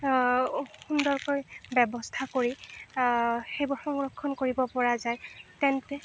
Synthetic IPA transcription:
xundɔɹkɔjbɛbɔstʰakoɹi | xejbʊxɔŋɹɔkʰːɔnkoɹibɔpɔɹazajtɛntɛ

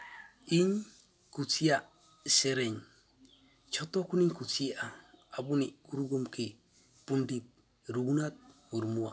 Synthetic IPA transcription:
iɲ | kut͡sia | seɾeɲ | t͡ʃot̪okuniɲkusiaabunikuɾuɡomki | pundit̚ | ɾuunat̪̚muɾmua̰

